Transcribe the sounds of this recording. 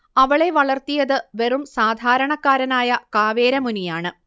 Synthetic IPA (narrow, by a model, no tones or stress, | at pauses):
ɐʋɐɭe̞ʋɐɭɐrt̪ijɐðɨʋe̞rumsaːd̪ʱaːɾɐɳɐkːaːɾɐnaːjɐkaːʋeːɾɐmunijaːɳɨ